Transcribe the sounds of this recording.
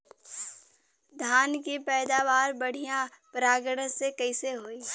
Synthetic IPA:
d̪ʱaːnkipɛːd̪aːʋaːɾbəɽ̤ijã | pɾaːɡəɽəsekɐɪseɦoːiː

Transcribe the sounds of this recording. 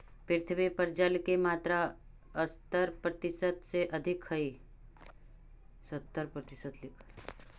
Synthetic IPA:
pɪɾt̪ʰbepəɾd͡ʒalkemaːt̪ɾa | əst̪əɾpɾət̪ɪsəd̪seʔɐd̪ʱɪkhəi | sət̪ːəɾpɾət̪ɪsəd̪lɪkʰ

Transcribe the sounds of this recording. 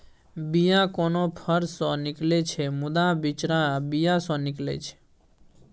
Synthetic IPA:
bijãkonopʰəɾsɔ̃nɪklet͡ʃʰemʊd̪abɪt͡ʃɾabijasɔ̃nɪklḛt͡ʃʰe̥

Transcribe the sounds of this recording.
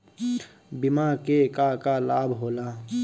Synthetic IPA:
bɪmakekakalaːbʱɦoːlaː

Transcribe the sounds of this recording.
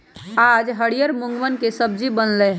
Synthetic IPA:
ad͡ʒɦəɽijəɾmuŋɡʋənkesəbd͡ʒibənlɛɦ

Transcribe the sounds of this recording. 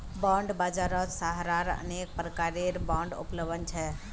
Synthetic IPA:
bɔ̃ɳɖbad͡ʒaɾɔk̪saɦɾaɾə̰nek̚pɾəkaɾeɾbɔ̃ɳɖʊ̰pləʋənt͡ʃʰɛ

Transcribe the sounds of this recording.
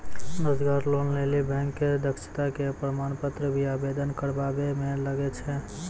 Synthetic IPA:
ɾod͡ʒɡaɾlonlelibɛ̃ŋkːed̪əksi̥t̪akepɾəmanpət̪ɾəbʱiabed̪ənkəɾbabemeləɡɛt͡ʃʰɛ

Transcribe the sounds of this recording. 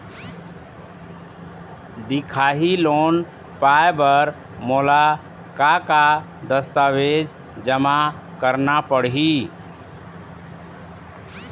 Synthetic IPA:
d̪ɪkʰaːɦiloːn | paːjbəɾ | moːla | kaka | d̪əst̪aʋeːd͡ʒ | d͡ʒəma | kəɾnapəɽɦi

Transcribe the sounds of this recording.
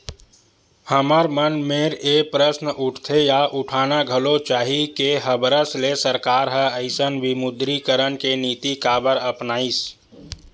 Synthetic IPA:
həməɾmənmeːɾepɾəsnʔʊʈʰt̪ʰejaʔʊʈʰaːnaɡʱəlot͡ʃaːɦikeɦəbɾəslesəɾkaːɾɦəəɪsənʋimʊd̪ɾikəɾənkeniːt̪ikaːbəɾəpnaːis

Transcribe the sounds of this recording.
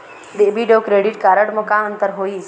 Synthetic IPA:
d̪ebiɖokɾeːɖiʈkaːɾəɖmokãə̃nt̪əɾɦoːi

